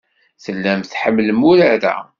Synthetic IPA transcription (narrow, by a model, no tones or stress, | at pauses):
θəlːæmθħəmːləmʊɾaɾa̰